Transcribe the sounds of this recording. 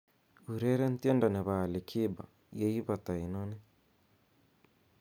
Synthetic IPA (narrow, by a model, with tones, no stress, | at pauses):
u˨ɾe˦ɾe˦n̩˦t̪je˦nda˨ne˨βa˨le˨kʰi˦ba̰˨ | je˦ji˦βa˨t̪a˨i˨none˦